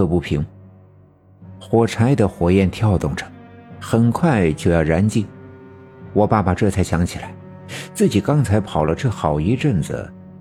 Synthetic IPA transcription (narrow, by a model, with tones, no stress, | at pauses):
ɤ˥˧pu˥˩pʰi˧˥ŋ | xwɔ˨˩t͡sʰa˧˥ɪd̪ə˨xwɔ˨˩jɛ˥˩nt̪ʰjɑ˥˧ʊt̪ʊ˥˩ŋʈ͡ʂə̥˩xə˨˩nkʰwa˥˩ɪt͡ɕjo˥˧ʊjɑ˥˩ʊɻa˧˥nt͡ɕi˥˩ | wɔ˧˩pa˥˩pa˨˩ʈ͡ʂɤ˥˧t͡sʰa˥˩ɪɕjɑ˧˥ŋt͡ɕʰi˨˩la˧˥ɪ | t͡sɹ̩˥˩t͡ɕi˨˩kɑ˥ŋt͡sʰa˧˥ɪpʰɑ˨˩ʊlə˦ʈ͡ʂɤ˥˩xɑ˨˩ʊi˧˥ʈ͡ʂə˥˩nd͡z̩̰˩